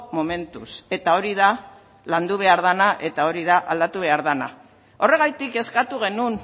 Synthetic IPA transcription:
mome̞nt̪use̞t̪ao̞ɾiða | land̪uβ̞e̞aɾðanaʔe̞t̪ao̞ɾiðaʔald̪at̪uβ̞e̞aɾðana | o̞re̞ɣajt̪ike̞skat̪uɣ̞e̞nun

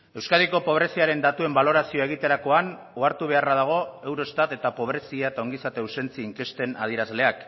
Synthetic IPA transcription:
e̞wskaðiko̞po̞β̞ɾe̞siaɾe̞nd̪at̪ue̞mbalo̞ɾasioe̞ɣ̞it̪e̞ɾako̞an | oaɾt̪uβ̞e̞araðaɣ̞o̞e̞wɾo̞st̪at̪e̞t̪apo̞β̞ɾe̞siaet̪ao̞ŋɡisat̪ewse̞nt͡siːŋke̞st̪e̞na̰ð̞ieɾazle̞ak

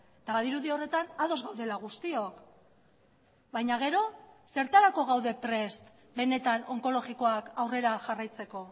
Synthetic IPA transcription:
t̪aβaðiɾuðio̞re̞t̪anað̞o̞zɣawðe̞laɣ̞ust̪io̞k | bajɲaɣ̞e̞ɾo̞se̞ɾt̪aɾako̞ɣawðe̞pɾe̞st̪ | be̞ne̞t̪ano̞ŋko̞lo̞ɣiko̞akawre̞ɾaʝarajt͡se̞ko̞

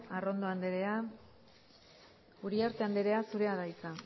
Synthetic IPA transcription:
aro̞nd̪oand̪eɾe̞a | uɾiaɾt̪e̞and̪eɾe̞asuɾe̞aðajt͡sa

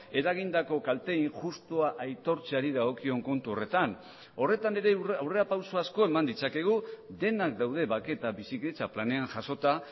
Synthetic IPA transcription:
e̞ɾaɣ̞ind̪ako̞kalt̪e̞iŋʝust̪oaʔajt̪o̞ɾt͡seaɾið̞aɣ̞o̞kio̞ŋko̞nt̪uo̞re̞t̪an | o̞re̞t̪ane̞ɾe̞awre̞apawsoasko̞e̞mand̪it͡sake̞ɣ̞uðe̞nakd̪awðe̞βake̞t̪aβisiket͡saplane̞aŋʝaso̞t̪a

